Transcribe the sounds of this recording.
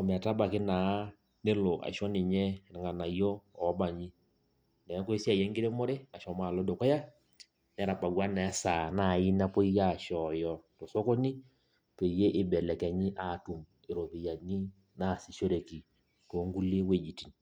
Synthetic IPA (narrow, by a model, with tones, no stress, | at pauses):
ɔ˨m˨a˨ta˦ba˨kɪ˦na˨˦ | ne˦lo˨ʔa̰˨ʃɔ˦nɪ˨ɲɛ˦˨ŋɡa˨na˨i˦jɔ˦ɔ˨˦ba˨ɲi˦ | nɛ˨˦ko˦si˦a˦˨jɛ˦ŋɡɪ˦ɾe˦mo˦ɾe˦a˨ʃɔ˨maː˦˨lɔ˦do˨kɔ˦ja˦ | n˦ɛ˦ɾa˨pa˨ɡwa˦nɛ˨˦saː˨na˨ji˦na˦po˦i˦ja˦˨ʃɔ˨jɔ˨to˨so˦ko˦ni˦ | pe˨je˦ʔɪ˦bɛ˨lɛ˨kɛ˨ɲi˦ʔa˨tu˨m | ɪ˨ɾo˨pe˨ja˨ni˦ | na˦˨si˨ʃo˦ɾe˨ki˨ | to˨˦ŋɡu˦le˦we˨d͡ʒi˨ti˨n